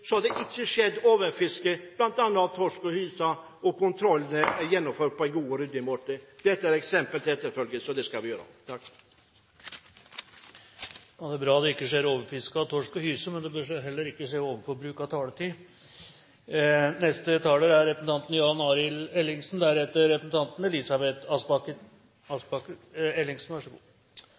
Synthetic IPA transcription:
sɔhɑd̪ɛʔɪkːəʂɛd̪ːoːʋəɾfɪskəb̥lɑnt̪ɑnːət̪ɑʋt̪ʰɔʂkɔhyːsɑ | ɔkʊnt̪ʰɾɔlːənəæɾjɛnːɔmføːʈ̚pʰɔɛnɡuːəɾʏd̪ːɪmoːʈəd̪̥ɛt̪ːəæɾɛksɛmpəlt̪ʰɪlɛt̪ːəɾfœlɡəsɔd̪ɛskɑlʋɪjøːɾa̰t̪ʰɑk | jɑːd̪ɛæɾbɾɑːd̪ɛɪkːəʂeːɾoːʋəɾfɪskɑt̪ʰɔʂkɔhyːsəmɛnd̪ɛbøːʂɦɛlːəɾɪkːəʂeːoːʋənfɔɾbɾʉːkɑt̪ʰɑːlət̪ʰiː | nɛst̪ət̪ʰɑːləːɾæɾɾɛpəsn̩t̪ɑnt̪njɑnɑːɾɪlɛlːɪŋsnd̪æɾɛt̪ːəɾɛpəsn̩t̪ʰɑnt̪n̩ɛlɪsɑbɛt̪ɑsbɑkə | ɑsbɑkəɛlːɪŋsn̩ʋæʂɔɡṵː

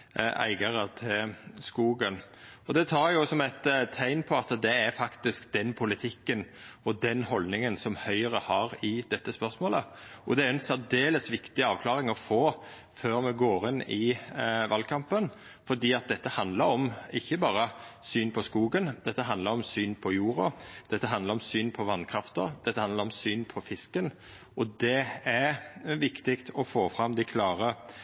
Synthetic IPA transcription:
æ̰ɪɡəɾət̪ʰɪlskuːɡənɔd̪ɛt̪ʰɑːɾjʊsɔmæɪt̪t̪ʰːæɪnpʰɔɑt̪d̪ɛæɾfɑkt̪ɪskd̪ɛnpʰʊlɪt̪ʰɪkːənɔd̪ɛnhɔlnɪŋənsɔmhœʏəɾəhɑɾɪd̪̥ɛt̪ːəspœɾsmoːləʔɔd̪ɛæɾɛnsæd̪eːləsʋɪkt̪ɪɑːʋkʰlɑːɾɪŋɔfoː | føːɾmɛɡoːɾɪnːɪʋɑlkʰɑmpən | fɔd̪iːɑt̪̚d̪ɛt̪ːəhɑnd̪ləɾɔmɪçːəbɑːɾəsyːnpʰɔskuːɡənd̪̥ɛt̪ːəɦɑnd̪ləɾɔmsyːnpʰɔjuːɾɑd̪̥ɛt̪ːəɦɑnd̪əɾɔmsyːnpʰɔʋɑnkʰɾɑft̪ə̰ɾd̪ɛt̪ːəhɑnd̪ləɾɔmsyːnpʰɔfɪskən | ɔd̪ɛæɾʋɪkt̪ɪkt̪ʰɔfoːfɾɑmd̪æɪkʰlɑːɾə

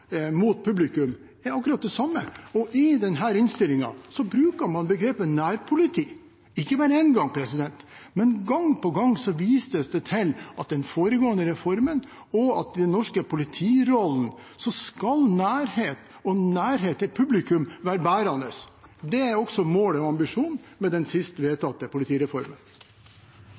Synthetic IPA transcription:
mut̪̚pʰʉblɪkʉm | ɛɾɑkːʉɾɑt̪̚d̪ɛsɑmːəɔʔɪd̪ɛnɦæːɾɪnst̪ɪlɪŋɑ̰sɔbɾʉːkəɾmɑnbəɡɾeːpənnæːɾpʰʊlɪt̪ʰiː | ɪkːəbɑːɾəɛnɡɑŋpʰɾɛsɪd̪ɛnt̪ | mɛnɡɑŋpɔɡɑŋsɔʋiːst̪əsd̪ɛt̪ʰɪlɑt̪̚d̪ɛnfoːɾəɡoːənd̪əɾɛfɔɾmən | ɔɑt̪̚d̪ɛnːɔʂkəpʰʊlɪt̪ʰiːɾɔln̩sɔskɑlnæːɾheːt̪ | ɔnæːɾɦeːt̪ɛt̪̚pʰʉblɪkʉmʋæːɾəbæːɾɑnd̪əsd̪ɛæɾɔksɔmoːlɔɑmbɪʂuːnmɛd̪ɛnsɪst̪ʋeːt̪ʰɑt̪ːəpʊlɪt̪ʰiːɾɛfɔɾmən

